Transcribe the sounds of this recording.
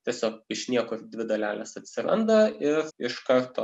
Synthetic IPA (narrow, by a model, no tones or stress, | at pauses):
t̪ʲiɛsʲoːk̚ɪʃnʲiɛkʊd̪ʲʋʲɪd̪ɐlʲæːlʲɛsɐt̪ʲsʲɪɾɐ̰nd̪ɐɪrɪʃkɐɾt̪oː